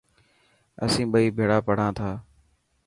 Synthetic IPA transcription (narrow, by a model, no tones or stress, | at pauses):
ə̰sĩːɓəiːbʱeːɽaːpəɽ̤ãːt̪ʰaː